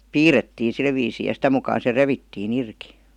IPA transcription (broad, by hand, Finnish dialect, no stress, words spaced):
piːretːiːn̞ sil ʋiːsiː jɑ sitæ mukɑːn̞ se reʋitːiːn irki